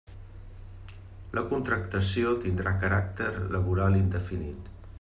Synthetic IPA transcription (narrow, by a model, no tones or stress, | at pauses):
lʔəkunt̪ɾəkt̪əsiot̪ind̪ɾakəɾak̚t̪əɾləβuɾalind̪əfinit̪